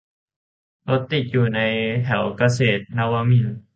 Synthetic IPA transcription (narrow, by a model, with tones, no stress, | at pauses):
lo˧˦t̪ːi˨˩t̪̚juː˨˩na˧˥jt̪ʰɛ˨˩˦wka˧seː˨˩t̪̚na˧waː˧mi˧˩˨n